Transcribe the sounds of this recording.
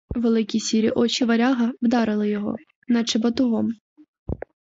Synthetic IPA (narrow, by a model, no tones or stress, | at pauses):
ʋelˠɪkʲisʲiɾʲiʔɔt͡ʃiʋɐɾʲɑɦɐwd̪ɑɾɪlˠɪjɔɦɔ̰ | nɐt͡ʃɪbɐt̪ʊɦɔm